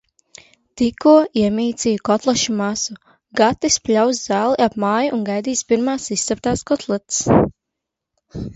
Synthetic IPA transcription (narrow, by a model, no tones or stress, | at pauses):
t̪ikuɔiɛmʲiːt̪sʲijukɔt̪lˠɛʃumasu | ɡat̪isplʲawszaːlˠiapmaːjuʔunɡajd̪iːspiɾmaːsist̪ːɛp̚t̪aːskɔt̪ʰlˠɛt̪s